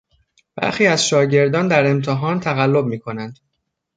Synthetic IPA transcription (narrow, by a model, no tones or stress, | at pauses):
b̥æ̰ɾxiːæzʃɒːɟe̞ɾd̪ɒːnd̪æɾe̞mt̪ʰeɦɒːnt̪ʰæɣælːob̚miːkʰo̞nænd̪̥